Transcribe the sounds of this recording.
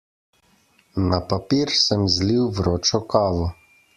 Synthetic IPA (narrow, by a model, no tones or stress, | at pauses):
napapiːɾsəmzliwvɾoːt͡ʃɔkaːʋɔ